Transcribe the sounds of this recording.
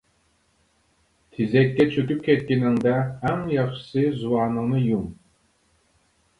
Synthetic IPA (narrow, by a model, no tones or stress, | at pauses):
t̪ʰizɛkʲːɛt͡ʃʰøt̪yp̚kʲʰɛt̪̚kʲenɪ̆ŋd̪æhæmjɑχʃɨ̥sɨzuɑːnɤ̆ŋnɯjum